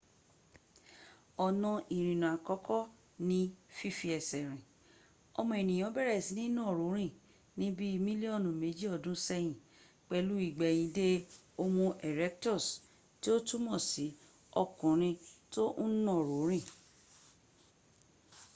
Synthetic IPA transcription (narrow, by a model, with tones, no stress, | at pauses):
ɔ˨nɔ̃˧ʔi˨ɾ̃ĩ˨nũ˨a˨kɔ˦kʰɔ˦ | nĩ˦fi˦fi˧˦ɛ˨sɛ˨ɾ̃ĩ˨ | ɔ˧mɔ̃˧e˨nĩ˨j̃ɔ̃˨˦bɛ˦ɾɛ˦˨si˨˦nĩ˦nɔ̃˦˨ɾo˨˦ɾ̃ĩ˦˨ | nĩ˦bi˦˧mĩ˦li˦ɔ˦˨nũ˨me˨˦d͡ʒi˦ɔ˦˨dũ˨˦sɛ˧j̃ĩ˨ | k͡pɛ˧lu˦i˦˨ɡ͡bɛ˨j̃ĩ˧de˦ | o˧mũ˧ʔɛ˨ɾɛ˦k̚tɔ˦˨s | ti˦o˦tu˦mɔ̃˦˨si˨˦ | ɔ˧kũ˨ɾ̃ĩ˧to˦n̩˦nɔ̃˦˨ɾo˨˦ɾ̃ĩ˦˨